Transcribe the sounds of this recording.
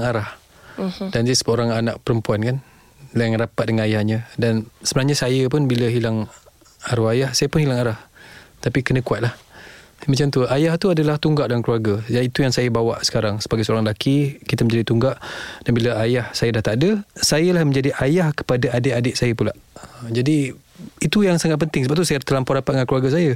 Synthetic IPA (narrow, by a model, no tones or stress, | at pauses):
ŋaɾah | dand̪isəəoɾaŋanaʔpəɾəmpuankan | laŋrapat̪̚dəŋanajahɲə̃dansəbənahɲasajəp̬ʊnbiləɦilaŋ | aɾuajahsajəpʊnhilaŋaɾaht̪apikənə̃kuat̪̚lahmat͡ʃamt̪uʔajaht̪uadəlaht̪uŋɡaʔdankluarɡad͡ʒait̪ujaŋsajəbawaʔsə̥kaɾaŋsəbaɡajsəoɾaŋlakikit̪əmə̃ɲd͡ʒadit̪uŋɡaʔd̥anbiləajahsajədaht̪adəsajəlahmə̃ɲd͡ʒadiʔajahkə̥padaʔadɪʔadɪʔsajəpulaʔəd͡ʒadi | it̪ujaŋsaŋat̪̚pənt̪ɪŋsəbap̚t̪usajət̪əlampɔʔdapat̪̚dəŋankluarɡas̬ajə